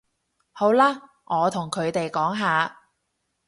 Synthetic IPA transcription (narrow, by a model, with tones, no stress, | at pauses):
ho˨˥wlaː˥ | ŋʔɔː˨˧t̪ʰʊ˨˩ŋkʰɵ˨˧ɥt̪e˨jkɔː˨˥ŋɦaː˨˧